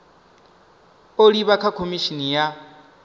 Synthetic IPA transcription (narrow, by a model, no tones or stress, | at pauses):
oliβakʰakʰomiʃinija